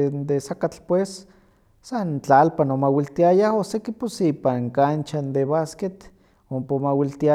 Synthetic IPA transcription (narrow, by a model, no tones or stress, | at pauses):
nd̪esakat͡ɬpwesː | ant͡ɬalpanomawilt̪iajaosekiposipaŋkant͡ʃand̪eβasket̪ | ompomawilt̪ia